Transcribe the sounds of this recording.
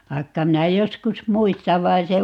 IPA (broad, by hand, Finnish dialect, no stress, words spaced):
ʋɑikːɑ minæ joskus muistɑʋ ʋɑi̯n se